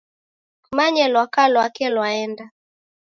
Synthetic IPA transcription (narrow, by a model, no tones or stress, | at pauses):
umaɲɛlwakalwakɛlwaɛnda